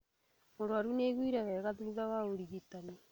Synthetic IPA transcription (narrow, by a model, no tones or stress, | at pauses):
moɾowaɾuneɣwiɾaɣɛɣaðuuðawaoɾiɣitanɛ